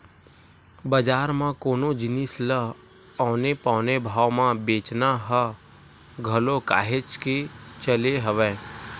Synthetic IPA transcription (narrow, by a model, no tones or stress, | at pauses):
bəd͡ʒaːɾmãkoːnod͡ʒɪnislə | ɔːnepɔːnebʱaːʋmãbeːt͡ʃnaɦə | ɡʱəloka̰ːɦet͡ʃket͡ʃəleɦəʋɛ̃ː